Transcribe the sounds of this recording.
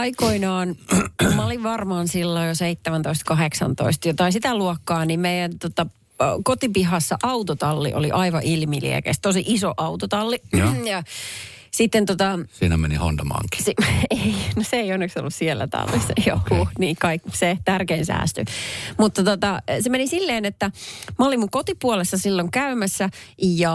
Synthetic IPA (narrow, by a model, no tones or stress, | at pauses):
ɑikoinɑːnmɑoliʋʋɑrmɑːnsilːojjoseit̪ːemænt̪oist̪kɑɦeksɑ̰nt̪o̰ist̪jot̪ɑisit̪æluɔkːɑːnimmeijænt̪ot̪ɑ | kot̪ipiɦɑsːɑʔɑut̪ot̪ɑlːḭʔo̰liʔɑiʋɑʔilmilḭɛ̰kḛst̪osiʔisoʔɑut̪ot̪ɑlːijɑ | sit̪ːent̪ot̪ɑsiːnæmeniho̰nd̪ɑmɑ̰ːŋki̥seinoseeionːekso̰lːussielːæ̰t̪ɑ̰lːḭsɑjo̰kuniːkɑikːset̪ærkeːnsæ̰ːst̪y̰mut̪ːɑt̪ot̪ɑsemenisilːeːnet̪ːæmɑolimuŋkot̪ipuolesːɑsilːoŋkæymæsːæjɑ